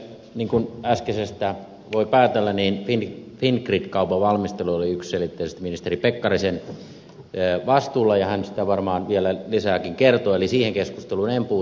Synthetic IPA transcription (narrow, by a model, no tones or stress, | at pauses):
niːŋkunæskesest̪æ | ʋoipæːt̪elːæniːnfinfinkrit̪kɑupɑʋɑlmist̪eluoliyksselit̪ːeisest̪minist̪eripekːɑrisenː | ʋɑst̪uːlːɑjɑhænsi̥t̪æʋɑrmɑːnʋielælisæːkiŋkert̪oelisiːheŋkeskust̪elunempuː